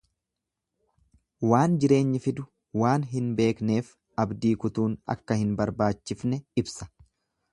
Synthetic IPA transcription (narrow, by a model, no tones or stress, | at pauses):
waːnd͡ʒɪɾe̞ːɲːɪfɪd̪ʊ | waːnɦɪnbe̞ːkne̞ːf | ɐbd̪iːkʊt̪uːnɐ̰kːɐhɪnbɐɾbaːt͡ʃːɪfnɛɪbsɐ̥